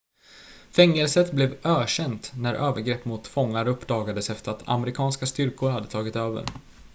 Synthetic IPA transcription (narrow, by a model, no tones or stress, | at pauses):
fɛŋːɛlsət̪blɛvøːɕɛnt̪næɾʔøːvəɾɡɾɛpːmʊt̪fɔŋːaɾɵpːd̪ɑːɡad̪əsɛft̪əɾat̪ʰa̰mɛɾɪkʰɑːnskast̪ʏɾkʊɾhad̪ːət̪ʰɑːɡɪt̪øːvə̰ɾ